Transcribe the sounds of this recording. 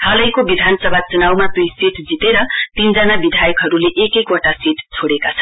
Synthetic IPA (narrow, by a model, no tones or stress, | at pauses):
halʌjkobid̪ʱansʌbʱat͡sunawmat̪ujsiʈd͡zit̪eɾʌt̪ind͡zanabid̪ʱajʌkɦʌɾuleʔekekoʈasiʈt͡sʰoɽekat͡sʰʌn